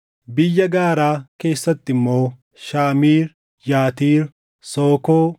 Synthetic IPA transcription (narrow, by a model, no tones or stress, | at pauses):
bɪjːɐɡaːɾaːke̞ːsːɐt̪ːɪmːoː | ʃaːmiːɾ | jaːt̪iːɾ | soːkoː